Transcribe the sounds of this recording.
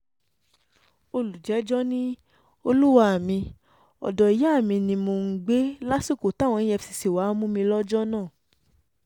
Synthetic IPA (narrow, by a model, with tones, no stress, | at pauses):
o˧lu˨d͡ʒɛ˨˦d͡ʒɔ˦nĩ˦ | o˧lu˦wa˧a˨mĩ˧ | ɔ̰˨dɔ˨i˨jɛ˨˦a˦˨mĩ˧nĩ˧mo˧ŋ̩˦ɡ͡be˦la˦si˦˨ko˨ta˦w̃ɔ̃˧ĩ˦ɛ˧fsi˧si˨wa˨˦mũ˦mĩ˧lɔ˦d͡ʒɔ˦nãː˦˨